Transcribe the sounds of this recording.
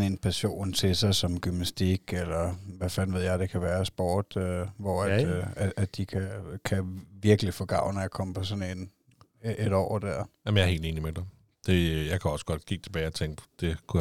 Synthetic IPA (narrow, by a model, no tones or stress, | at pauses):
sne̝ːnpʰæɕo̝̰ːnt͡sʰe̝sɑ̈ɪsɒ̽mɡ̥ymnæsd̥iɡ̥elɐʋæfænʋe̝ð̞̰ˠjɑ̈ɪd̥e̝kʰæʋæːɐsb̥ɒːd̥øʋɒæd̥ææd̥ikʰækʰæʋiɐɡ̥əlifɒɡ̥ɑ̈ʊ̰næjɑkʰɒ̽m̰əpʰɒ̽sɔ̽ne̝ːn | ʔeɾ̥ɒ̰ːɐd̥æɐ̰jæmənjɑ̈ɐhe̝ːld̥e̝ːnimed̥e | d̥e̝jɑ̈ɪkʰæɒ̽sə̥ɡ̥ɒ̽d̥ɡ̥iɡ̥̚t͡sʰe̝b̥ɛːɪɒt͡sʰeŋ̰ɡ̥d̥d̥e̝kʰuj